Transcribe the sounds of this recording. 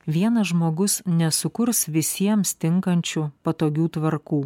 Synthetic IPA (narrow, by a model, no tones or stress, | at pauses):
ʋʲiɛnɐʒmoːɡʊsnʲɛsʊkʊɾsʋʲɪsʲiɛmst̪ʲɪŋkɐnʲt͡ʃʲʊpɐt̪oːɡʲuːt̪ʋɐɾkuː